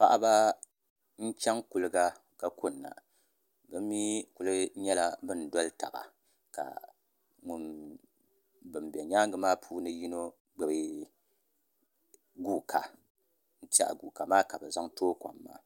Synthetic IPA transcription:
pa̰˦ʔa˦ba˦ | n̩˦t͡ʃɛ˦ŋkʊ˨lɨ˦ɡa˦ | ka˨kʊ˦nːa̰˨ | bɨ˦mː˦i˦ku˨lɨ˦ɲɛ˦la˦bɨ˦n˨dɔ˦lɨ˦ta̰˨ba̰˨ | ka̰˨ | ŋʊ˦n | bɨ˨mbɛ˨ɲaː˦ŋɡɨ˨maː˦pʰuː˦nɨ˦ji˦no˦ | ɡ͡bɨ˨bɨ˦ | ɡuː˦kʰa˨ | n̩˦t͡ʃa̰˦ʔɡu˨ka˨maː˦ka˨bɨ˨za˦ŋtoː˦ka̰˨mːa̰ː˦

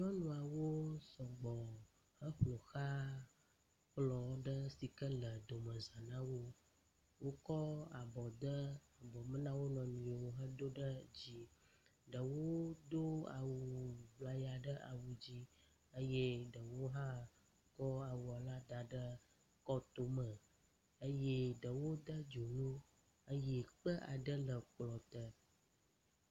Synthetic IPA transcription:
ɲɔ̃˦nũ˨a˨wo˦sɔ˨ɡ͡bɔ˨ | hə˦ɸlo˨xa˦ | k͡plɔ˨ɖə˦si˨kə˦lə˨d̪o˨mə̃˨zã˨nã˦wo˦ | wo˦kɔ˦a˨bɔ˨d̪ə˦a˨bɔ˨mə̃˦nã˦wo˦nɔ̃˨nũ˨wo˦ɦə˦d̪o˦ɖə˦d͡ʑi˦ɖə˨wo˦d̪o˦a̰˨wu˨bla˦ja˨ɖə˦ʔa̰˨wu˨d͡ʑi˦ | ə˦je˦ɖə˨wo˦ɦã˦ | kɔ˦a˨wu˨a˨la˦d̪a˨ɖə˦ | kɔ˦t̪o˦mə˨ | ə˦je˦ɖə˨wo˦d̪ə˦d͡ʒo˨nũ˦ | ə˦je˦k͡pə˦ʔa˨ɖə˦lə˨k͡plɔ˨t̪ə˦

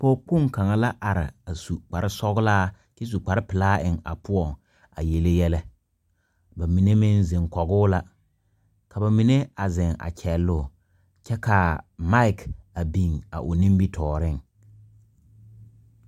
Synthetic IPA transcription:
po˦k͡pʊ˦˨ŋka˨ŋa˨la˦ʔa˨ɾɪ̰˨a˨su˨k͡pa˨ɾɪ˦sɔ˦ɣʊ˦laː˦ | ki˦s̬u˨k͡pa˨ɾɪ˦pɪ˨laː˦ʔɪ˨ŋa̰˨pʊ˦ɔ˨ŋ | a̰˨je˨le˦jɛ˦lɛ˦ | ba˨mi˨ne˦mɪ˦nze˨ŋkɔ˨ɣʊ˦la˦ | ka˨ba˨mi˨ne˦a˨zɛ˨ŋa̰˨t͡ʃʰɛ˨lːʊ˦˨ | t͡ʃɛ˦ka˨ma˦ɪ˨ka˨bi˨ŋa̰˨ʔʊ˨nĩ˦mbi˦tʰɔː˨ɾɪ˦˨ŋ

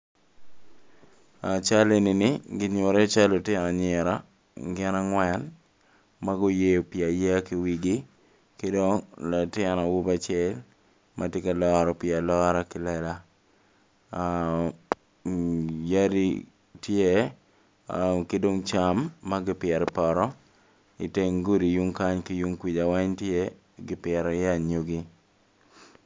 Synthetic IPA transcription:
a˨t͡ʃa˦le˦nɪ˨nɪ˦ɡɪ˨˦ɲo˨ɾe˦t͡ʃa˦lo˨tɪ˦na˨ɲɪ˨ɾa˦ | ɡɪ˦na˦ŋwɛ˦n | ma˦ɡo˦je˦o˨pjɪa˨jɛ˦kɪ˨wi˦ɡɪ˦ | ke˦do˦ŋla˨tɪ˦nɔ˨wu˦ba˨t͡ʃɛ˦l | mʔa˦tje˦ka˨lɔɾɔ˨pjɪa˨lɔ˦ɾakɪ˨lɛ˦la˦ | ja˦ɾḭ | tje˦ | ke˦do˦ŋt͡ʃa˦mːa˦ɡɪ˦pɪɛ˨ɾpɔ˨ɾɔ˦ | ɪ˨te˦ŋɡu˦ɾi˨ju˦ŋka˦ɲkɪ˦ju˦ŋkwi˨d͡ʒa˨wɛ˦ɲtje˦ | ɡɪ˦pɪɛ˨ɾɔ˨ja˦˨ɲo˦ɡi˦

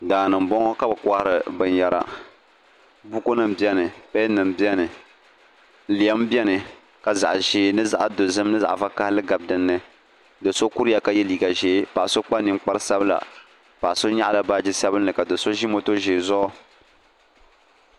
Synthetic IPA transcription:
daː˨nɨ˨m̩˨bɔ˦ŋɔ˦ka˦bɨ˨ka˦hɾɨ˨bɨ˨nja˨ɾa̰˨ | bu˦ko˦nɨ˦˨m˨bi˦ɛ˦nɨ˨pɛ˦nɨ˨mbi˦ɛ˦nɨ˨ | li˨a˦m˦bjɛ˦nɨ˨ | ka˨za˨ʔʒeː˨˦nɨ˦za˦ʔa˦do˨zɨ˦mnɨ˦za̰˨ʔva˦ka˦hlɨ˦ɡa˨b̚dɨ˨nːɨ˦ | dɨ˨so˦ku˦ɾɨ˦ja˨ka˦jɛ˦liː˨ɡa˨ʒeː˦pa˨ʔso˦k͡pa˦nɨ˨mk͡pa˦ɾɨ˦sa˦bɨ˦la̰˨ | pa˨ʔso˦ɲa˦ʔla˨baː˦d͡ʒi˦sa˦bɨ˦nːɨ˨ka˨do˨so˦ʒi˦mo˦to˦ʒeː˨zʊ˦ʔɔ˦

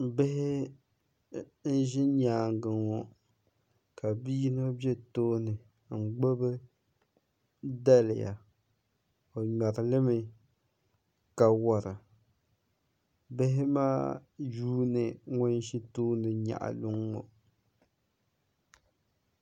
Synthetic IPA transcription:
bɪ˦hɪ˦ | n̩˦ʒɪ˦ɲaː˨ŋ˨ɡɨ˨ŋɔ˨ | ka˨bi˦no˦bjɛ˦toː˦nɨ˨ | ŋ͡m̩˨ɡ͡bo˦bɨ˦ | da˦lɪ̰˨ja̰˨ | o˨ɲa˨ɾɪ˨lɨ˦mɨ˨ | ka˨wa˨ɾɨ˨ | bɪ˦ɦɪ˦ma̰ː˦juː˦nɨ˨ŋʊ˦n˦ʃi˦toː˦nɨ˨ɲa̰˨ʔa̰˨lʊ˦ŋːɔ̰˨

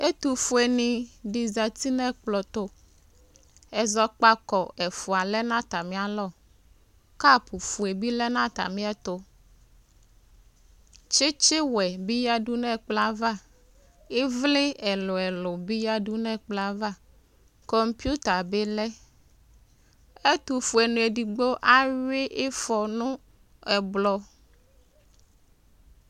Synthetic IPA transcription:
e˦t̪u˨fu˨˦e˨nĩ˨ɖi˨za˨t̪i˦nɛ̃˦k͡plɔ˨t̪o˦ | ɛ˨zɔ˦k͡pa˦kɔ˨ɛ˨fu˨a˨lɛ˦nã˦t̪a˨mĩ˦a˨lɔ˦˨ | ka˦pu˨fu˨e˨bi˦lɛ˦nã˦t̪a̰˨mĩ˦ɛ˦t̪o˦ | t͡ʃe˦t͡ʃɪ˦wɛ˨bi˦ja˦ɖu˦nɛ̃˦k͡pla˦va˦˨ | e˦vle˦ɛ˨lɔ˨ɛ˨lɔ˨bi˦ja˦ɖu˦nɛ̃˦˨k͡pla˦va˦˨ | kɔ˦mpi˦u˦t̪a˨be˦lɛ˦ | e˦t̪u˨fu˨ɛ˨nũ˨e˨di˨ɡ͡bo˦ʔa˦ɥe˦ʔe˦fɔ˨nũ˦ | ɛ˨blɔ˨˦

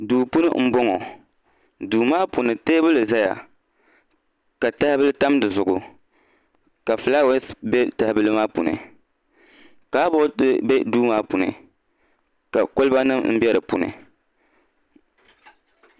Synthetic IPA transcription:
duː˨pu˦nɨ̰˦m̩˦bɔ˦ŋɔ˨ | duː˨maː˦pu˨nɨ˨teː˦bɨ˦lɨ˨za˦ja̰˨ | ka˨ta˦hɪ˦bɨ˦lɨ˦ta˦mdɨ˨zʊ˨ɡʊ˨ | ka˨fla˦wɛ˦sbɛ˦ta˨hbɨ˦lɨ˦maː˦pu˨nɨ̰˨ | ka˨˦bɔ˦tbɛ˦duː˦maː˦pu˨nɨ̰˨ | ka˨ko˦lɨ˦ba˦nɨ˦mm̩˦bjɛ˦ɾɨ˨pṵ˨nɨ̰˨

